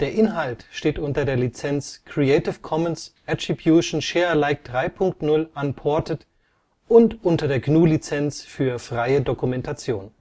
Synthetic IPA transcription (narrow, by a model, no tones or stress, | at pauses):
d̥eːɐʔɪnɦaltʃteːtʔʊntɐdeːɐlit͡sɛnt͡skʁ̥ieɪtɪfkʰɔmənsʔatʁ̥ibjuːʃn̩ʃeːɐlaɪk̚d̥ʁaɪpʰʊŋk̚tnʊlʔanpʰɔɐtət | ʔʊntʔʊntɐdeːɐɡnuːlit͡sɛnt͡sfyːɐfʁ̥aɪədokumɛntat͡sjoːn